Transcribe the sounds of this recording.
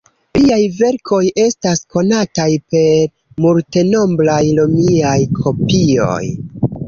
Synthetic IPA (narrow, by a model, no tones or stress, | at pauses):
liajve̞ɾkʰo̞je̞stasko̞natajpe̞ɾ | multe̞no̞mblajlomiajkʰo̞pio̞̰j